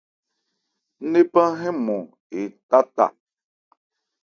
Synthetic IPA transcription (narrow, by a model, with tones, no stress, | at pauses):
ne˦pã˦ɦɛ̃˦mɔ̃˨ | e˨ta˦ta̰˨